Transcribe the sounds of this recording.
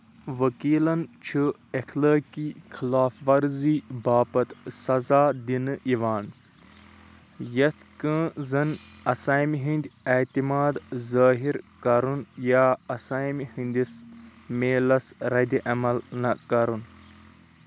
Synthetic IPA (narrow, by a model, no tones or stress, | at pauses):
ʋɐkiːlɐnt͡ʃʰɨexləːkixʰilaːfʋɐɾziːbaːpɐt̪sɐzaːd̪inɨiʋaːn | jɐt̪kə̃zɐnɐsaːjmiɦĩnʲd̪ʲɐt̪imaːd̪zaːɦiɾkɐɾunjaːɐsaːjmhĩnd̪ʲismeːlɐsɾɐd̪iʔɐmɐlnɐkɐɾun